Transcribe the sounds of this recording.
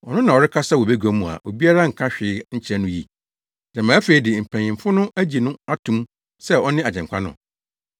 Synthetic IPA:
ɔ˨nʊ̃˦nã˨ɔ˨ɾɪ˦kʰa˦sa˦wɔ˨be˦ɡɔ˦mũ˨a̰˨ʔo˨bi˦a˦ɾa˦ŋ̩˨kʰã˦ɕᶣɪ˨˦ɲ̩˦t͡ɕʰɛ˦nʊ̃˦jḭ˦ | d̥ã˨mã˨˦fe˨i˦dɪ˨m̩˨pʰæ̃˨ɲɪ̃˨m˨fʊ˦nʊ̃˦ʔæ˦d͡ʑi˨nʊ̃˦a˦tʰũ˦m | sɛ˦ɔ˦nɪ̃˦a˨d͡ʑɛ̃˨ŋ˨kʰa˦nʊ̰̃˨

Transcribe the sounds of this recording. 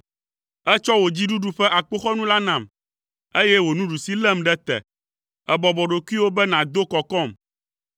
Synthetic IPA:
ɛ˦t͡ʃɔ˦wo˨d͡ʑi˦ɖu˦ɖu˦ɸɛ˦ʔa˨k͡po˦xɔ˦nũ˦la˦nã˨m | e˦jɛ˦wo˨nũ˦ɖu˨si˦lɛ˦mɖɛ˦t̪ɛ̰˨ | ɛ˨bɔ˨bɔ˨ɖo˨ku˦i˦wo˦bɛ˦nã˨d̪o˦kɔ˨kɔ˦˨m

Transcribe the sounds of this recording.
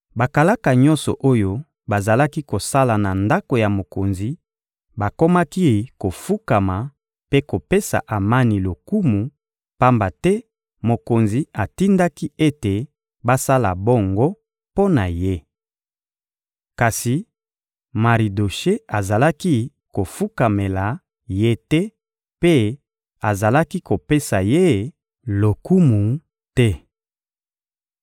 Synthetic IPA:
ba˨ka˨la˦ka˨ɲɔ̃˦nsɔ̰˨ʔo˦jo˦ | ba˨za˨la˦ki˦ko˨sa˦la˨na˨nda˦ko˨ja˨mo˨ko˨nzi˨ | ba˨ko˦ma˦ki˦ko˨fu˦ka˨ma˨ | pe˦ko˨pe˦sa̰˨ʔa˨ma˦ni˨lo˨ku˦mu˨ | pa˦mba˨tɛ˦ | mo˨ko˨nzi˨a˨ti˦nda˦ki˦e˦te˨ | ba˦sa˦la̰˨bo˦ŋɡo˦ | po˦na˨je˦ | ka˨si˨ | ma˨ʁi˨do˨ʃe˦a˨za˨la˦ki˦ | ko˨fu˦ka˨me˨la˨ | je˦tɛ˦ | pe˦ | a˨za˨la˦ki˦ko˨pe˦sa˨je˦˨ | lo˨ku˦mu˨ | tɛ˦

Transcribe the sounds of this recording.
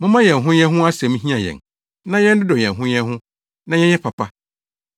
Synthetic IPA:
mʊ̃˦mã˦jɛ̃˨n˨ɦʊ̃˦ɲ˦ɛ̃˦ɦʊ̃˦a˦sɛ˨mĩ˦ɦĩ˦a˨jɛ̰̃˨n | nã˦jɛ̃˦n̩˦dɪ˦dɔ˨jɛ̃˨ɦʊ̃˦ɲ˦ɛ̃˦ɦʊ̃˦ | nã˦jɛ˦ɛ˦pʰa˨pʰa˦

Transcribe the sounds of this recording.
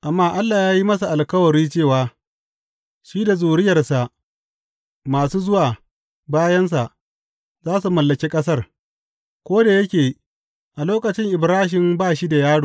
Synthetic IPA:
ʔa˨mːaː˦ʔa˦lːaː˨jaː˦ji˦mɐ˦su˨ʔa˨lkɐ˦wɐ˨ɾiː˦t͡ʃeː˦˨waː˨ | ʃiː˦da˨zuː˨ɽɪ˦jɐ˨rsa˨ʔ | maː˨suː˦zʊ˦waː˨ | baː˦jɐ˦ns̬a˨ʔ | zaː˦s̬u˨mɐ˨lːɐ˨kʲe˦kʼɐ˦s̬ɐ˦r | kʷoː˦da˨jɐ˦kʲeː˨ | ʔa˨loː˦kʼɐ˨t͡ʃɪ˦ŋʔɪ˨bɾaː˦ɦɪ˨mbaː˦˨ʃi˦da˨jaː˦ɽoː˨

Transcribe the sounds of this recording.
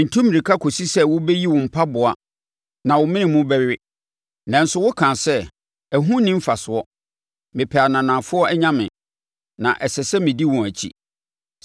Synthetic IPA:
n̩˨tʰũ˦mɪ̃˨i˨kʰa˦kʰo˨si˦sɛ˦wʊ˦bɛ˦ji˦wʊ̃˨m̩˨pʰa˦bʊ˨a˦ | nã˨wʊ˨mɪ̃˦nɪ̃˨mʊ̃˦bɛ˦ɥɪ˦ | nã˨n̩˦sʊ˦wʊ˦kʰã˨sɛ˦ | æ˨ɦũ˦nɪ̃˦m̩˦fa˨sʊ˨ɔ˦ | mɪ̃˨pʰɛ˨a˨nã˨nã˨fʊ˦ɔ˦ɛ˦ɲã˦mɪ̃˨ | nã̰˨ʔɛ˨sɛ˨sɛ˦mɪ̃˨di˦wʊ̃˨æ˨t͡ɕʰḭ˦

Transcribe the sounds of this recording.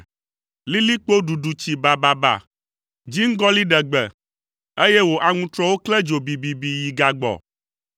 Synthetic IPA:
li˦li˦k͡po˦ɖu˨ɖu˨t͡ɕi˨ba˨ba˨ba̰˨ | d͡ʒi˦ŋ̩˦ɡɔ˦li˦ɖɛ˨ɡ͡bɛ˨ | e˦jɛ˦wo˨ʔa˨ŋũ˦t̪ɾɔ˦wo˦klɛ˦d͡ʒo˨bi˨bi˨bi˨ji˨ɡa˨ɡ͡bɔ̰˨

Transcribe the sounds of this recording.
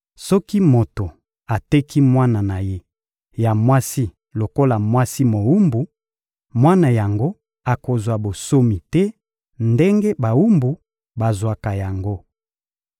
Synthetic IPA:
sɔ˦ki˦mo˨to˨ | a˨tɛ˦ki˦mwa˦na˨na˨je˦ | ja˨mwa˦si˦ | lo˨ko˦la˨mwa˦si˦mo˨u˦mbu˨ | mwa˦na˨ja˨ŋɡo˦ | a˨ko˨zwa˨bo˨so˦mi˨tɛ˦ | nde˦ŋɡe˦ba˨u˦mbu˨ | ba˨zwa˨ka˨ja˨ŋɡo˦

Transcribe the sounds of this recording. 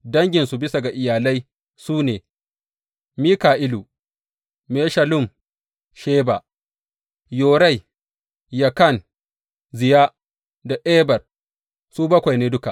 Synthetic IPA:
dɐ˦ŋɡʲɪ˨nsu˨bɪ˦sa˨ɡa˨ʔɪ˨jaː˨la˦j | suː˦neː˨ | miː˦kaː˨ʔɪ˦luː˨ | meː˦ʃɐ˨lʊ˦˨m | ʃeː˦ba˨ | joː˨ɾa˦˨j | jɐ˨kɐ˦˨n | zɪ˨jaː˦ | da˨ʔɛː˦bɐ˨r | suː˦bɐ˦kʷa˨jneː˦dʊ˦ka˨

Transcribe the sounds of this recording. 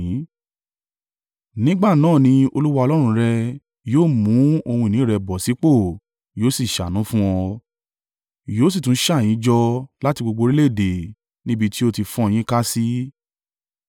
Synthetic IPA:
nĩ˦ɡ͡ba˦˨nãː˦˨nĩ˧o˧lu˦wa˧ɔ˧lɔ˦ɾ̃ũ˧ɾɛ˧ | joː˦˨mũ˨˦o˧hũ˧˨nĩ˨˦˨ɾɛ˧bɔ˨si˨˦k͡po˦˨ | joː˨˦si˦˨ʃa˨nũ˨˦fũ˦wɔ̃˧ | joː˨˦s̬i˦˨tũ˨˦ʃa˦˨j̃ĩ˨˦d͡ʒɔ˧la˦ti˧ɡ͡bo˧ɡ͡bo˧ɾi˦le˦˨de˨ | nĩ˦bi˧ti˦o˧ti˧fɔ̃˦˧j̃ĩ˦ka˦si˦

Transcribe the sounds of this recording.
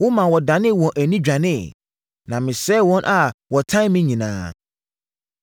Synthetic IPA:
wʊ̃˦mã˨wɔ˨dã˨nɪ̃˦˨wɔ̃˨nʔæ˨nĩ˦d͡ʑᶣa˨nɪ̃˦˨ | nã˨mɪ̃˨sɛ˦wɔ̃˦nʔa˨wɔ˨tʰã˦mɪ̃˦ɲĩ˨nãː˦

